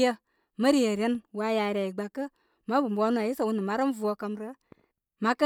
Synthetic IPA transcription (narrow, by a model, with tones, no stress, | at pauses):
ə˧ | mə˦ɾi˦je˨ɾʲe˦nwa˧ja˨ɾʲa˨ji˨ɡ͡ba˨kːə˦ | ma˦bu˨m˨bʷa˧˦nu˦a˨ji˦sa˨wu˦ni˨ma˦ɾə˦mvu˨˦o˧kə˧mɾə˦ | ma˦kə˦